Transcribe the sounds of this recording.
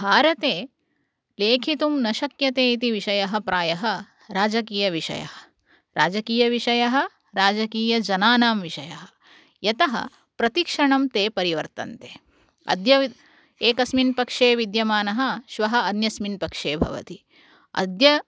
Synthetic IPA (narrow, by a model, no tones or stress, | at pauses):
bʱaːɾɐt̪eː | leːkʰit̪umnɐʃɐkjɐt̪eːit̪iʋiʃɐjɐɦɐ̆pɾaːjɐɦɐ | ɾaːd͡ʒɐkiːjɐʋiʃɐ̰jɐ̰ɦɐ̥ | ɾaːd͡ʒɐkiːjɐʋiʃɐjɐɦɐ̆ | ɾaːd͡ʒɐkiːjɐd͡ʒɐnaːnaːmʋiʃɐjɐɦɐ̥ | jɐt̪ɐɦɐ̰ | pɾɐt̪ikʂɐɳɐmt̪eːpɐɾiʋɐɾt̪ɐ̰nt̪eː | ɐ̰d̪jɐʋi | eːkɐsminpɐkʂeːʋid̪jɐmaːnɐɦɐ̆ʃʋɐɦɐ̆ːnjɐsminpɐkʂeːbʱɐ̰ʋɐ̰t̪i | ɐ̰d̪jɐ